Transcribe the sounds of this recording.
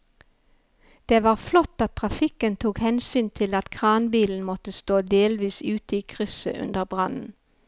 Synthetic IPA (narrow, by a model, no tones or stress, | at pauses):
d̪̥eːʋɑːʁflɔt̪ːɑt̪t̪ʰʁɑfɪkənt̪ʰuːkhɛnsyːnt̪ʰɪlɑt̪kʰʁɑːnbiːln̩mɔt̪əst̪oːd̪eːlʋiːsʉːt̪əiːkʰʁʏsə̰ʔʉ̰nd̪əʁbʁɑnn̩